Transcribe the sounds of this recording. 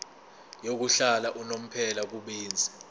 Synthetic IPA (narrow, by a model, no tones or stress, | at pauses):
jok̬uɬalaʔunom̩pʰɛlak̬uɓiːnd͡zʱi̥